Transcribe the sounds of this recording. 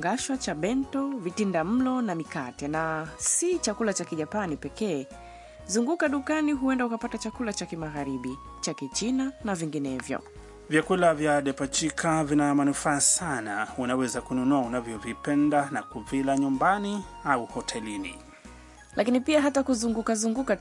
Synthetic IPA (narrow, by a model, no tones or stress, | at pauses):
ŋɡaʃwat͡ʃaɓɛntɔvitindam̩lɔnamikatɛnasit͡ʃakulat͡ʃakiʄapanipɛkɛː | zuŋɡukaɗukaniɦuɛndaukapatat͡ʃakulat͡ʃakimaɣaɾiɓi | t͡ʃakit͡ʃinanaviŋɡinɛvjɔ̰ | vjakulavjaɗɛpat͡ʃikʰavinamanufaːsanaunawɛzakununuaunavjɔvipɛndanakuvilaɲumbaniauhɔtʰɛlinḭ | lʔakinipiaɦatakuzuŋɡukazuŋɡuka